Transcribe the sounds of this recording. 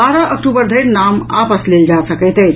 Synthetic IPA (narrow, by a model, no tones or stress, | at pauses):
aːɾaʔək̚ʈubəɾd̪ʱəɾnaːma̰pəsleld͡ʒaːsəkət̪e